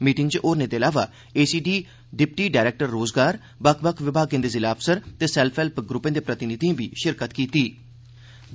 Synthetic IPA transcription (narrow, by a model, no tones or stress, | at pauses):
miːʈɪ̃ŋɡt͡ʃʔoːɾnẽːd̪eːəlaːʋaː | eːsiːɖiː | ɖɪp̚ʈiːɖaːɪɾɛːk̚ʈəɾːoːzɡaːɾ | bəkʰbəkʰʋɪbʱaːɡẽːd̪eːzɪlaːpʰsəɾt̪eːsɛːlpʰɛːlpɡɾʊpːẽːd̪eːpɾət̪ɪnɪd̪ĩbiːʃɪɾkət̪kiːt̪iː